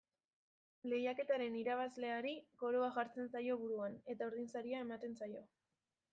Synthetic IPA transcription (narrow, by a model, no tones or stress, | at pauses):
le̞jake̞t̪aɾe̞niɾaβ̞azle̞aɾiko̞ɾoaʝaɾt͡se̞nsajo̞βuɾuane̞t̪auɾðinsaɾiae̞mat̪e̞nsajo̞